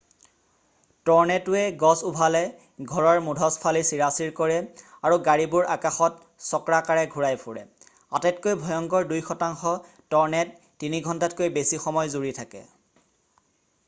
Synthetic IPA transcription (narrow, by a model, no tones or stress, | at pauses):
tɔɹnɛtʊɛɡɔsubʱalɛ | ɡʱɔɹɔɹmudʱɔspʰalisiɹasiɹkɔɹɛ | aɹuɡaɹibʊɹakaxɔt | sɔkɹakaɹɛɡʱuɹajpʰʊɹɛ | atɛtkojbʱɔjɔŋkɔɹdujxɔtaŋxɔ | tɔɹnɛtː | iniɡʱɔntatkojbesixɔmɔjzuɹitʰakɛ̰